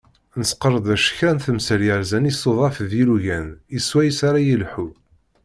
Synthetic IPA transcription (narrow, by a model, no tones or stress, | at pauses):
nəsqəɾˤəd̪ˤæʃçɾænθəmsəɾjəɾzænisoðˤɑfðiluʝæniswæjəsaɾajəlħu